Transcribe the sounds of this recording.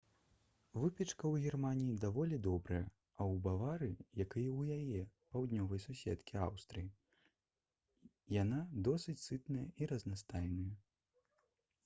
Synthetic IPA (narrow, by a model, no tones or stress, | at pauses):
vɨpʲɛt͡ʂkɐwɣʲirmanʲijid̪avɔlʲid̪ɔbɾɐjɐ | ɐwbavaɾɨjakɨjɛwjajɛpawd̪ʲnʲɔvɐjsusʲɛ̰t̪kʲia̰wst̪ɾɨji | jan̪ad̪ɔsɨt͡sʲsɨt̪nɐjɐiɾɐznast̪ajnɐjɐ